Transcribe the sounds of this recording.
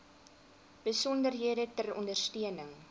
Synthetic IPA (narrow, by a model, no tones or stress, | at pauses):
b̥əsɔndərɦiədətərɔ̰ndərstiənəŋ